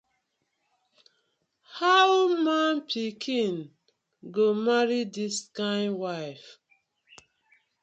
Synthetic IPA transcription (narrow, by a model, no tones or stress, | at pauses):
hawmãnpʰikʰĩn | ɡomaɹidiskãɪnwaɪf